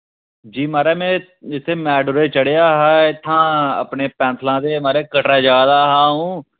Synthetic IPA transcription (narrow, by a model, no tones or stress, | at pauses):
d͡ʒiːmaːɾeːmɛ̃ː | ɪt̪ʰːeːmɛːɖʊɾeːt͡ʃəɽeːjaːɦɛːɪt̪ʰːãːə̰pneːpɛ̃ːnt̪ʰlãːd̪eːmaːɾeːkəʈɾaːd͡ʒjaːd̪aːɦãːɦũː